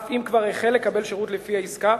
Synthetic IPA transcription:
fimkvaʁeχelːe̞kabe̞lʃeʁutlefiaiska

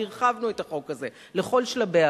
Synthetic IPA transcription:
iʁχavnue̞taχo̞kaze̞ | leχo̞lʃlabea

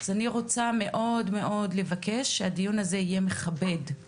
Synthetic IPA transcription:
az̥aniʁo̞t͡same̞ʔo̞dme̞ʔo̞dle̞vake̞ʃːeadijunaze̞ije̞me̞χabe̞d

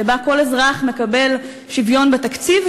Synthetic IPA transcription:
ebako̞lezʁaχme̞kabe̞l | ʃivjo̞nbet̪akt͡siv

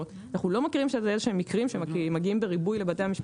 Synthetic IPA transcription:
ot | naχulo̞makiʁimʃeeezeʃehemːikʁimʃemmaɡiimbeʁibujle̞bate̞jamiʃp

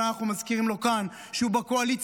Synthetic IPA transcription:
naχnumazkiʁimlo̞kan | ʃeubakoalit͡s

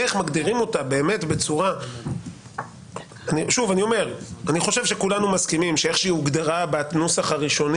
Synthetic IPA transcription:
eχmaɡd̪iʁimo̞tabe̞ːme̞tbe̞t͡suʁa | aniʃuvanio̞me̞ʁaniχo̞ʃe̞vʃe̞kulanumaskimimʃeeχʃiiuɡd̪aʁabatnusaχaʁiʃo̞n

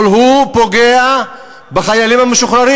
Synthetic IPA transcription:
lɦupo̞ɡea | baχajalimhameʃuχɾaʁi

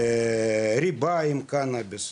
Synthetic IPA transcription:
ɾʲibɑːjɪmkɑːnɑbʲɪs

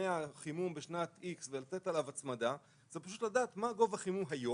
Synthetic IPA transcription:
eaχimumbeʃnat̪iksvelatet̪alavat͡smada | z̥epaʃ̬ut̪lad̪aːt̪maɡo̞vhaχimumɦajo

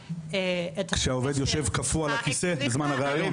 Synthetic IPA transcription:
eet̪kʃeaove̞d̪jo̞ʃe̞vkafualakise̞bezmanaʁeajon

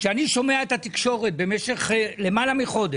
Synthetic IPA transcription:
ʃeaniʃo̞me̞aet̪hat̪ikʃo̞ʁet̪̚be̞me̞ʃe̞χle̞malamiχo̞d̪eʃ

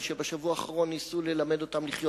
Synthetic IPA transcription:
ʃebeʃavuaːχaʁo̞nːisule̞lame̞d̪o̞t̪amliχjo

